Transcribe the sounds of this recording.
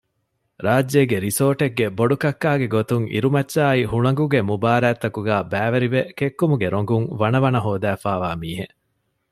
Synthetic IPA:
ɾaːd͡ʒːeːɡeɾisoːʈeɡːeboɖukɐkːaːɡeɡot̪uŋʔḭɾumɐtːʃaːihuɭɐŋɡuɡemubaːɾæːt̪ːɐkuɡæːbæːʋɐɾiʋekekːumuɡeɾoŋɡuŋʋɐnɐʋɐnɐɦoːd̪æːfaːʋaːmiːɦe

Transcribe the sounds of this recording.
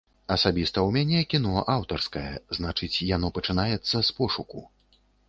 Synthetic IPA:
ɐsabʲist̪ɐwmʲanʲɛkʲin̪ɔʔawt̪ɐrskɐjɛznat͡ʂɨt͡sʲjanɔpɐt͡ʂɨnajɛt̪sːɐspɔʂuku

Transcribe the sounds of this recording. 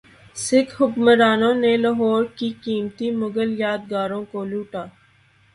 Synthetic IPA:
sɪkʰhʊkməɾaːnõːnelaɦɔːɾkikiːmt̪imʊɡəljaːd̪̚ɡaːɾõkoluːʈaː

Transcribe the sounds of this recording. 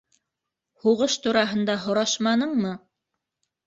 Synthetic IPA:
huʁɤʃt̪uɾɑɦɤ̆nd̪ɑɦŏɾɑʃmɑnɤɴmɤ

